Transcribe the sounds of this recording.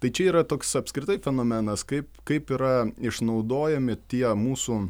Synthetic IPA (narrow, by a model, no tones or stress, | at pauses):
t̪ɐɪt͡ʃʲɛiːɾɐt̪oːksɐpskɾʲɪt̪ɐɪfʲɛnoːmʲɛnɐskɐɪpkɐɪpiːɾɐɪʃnɐʊd̪oːjɛmʲɪt̪ʲiɛmuːsuː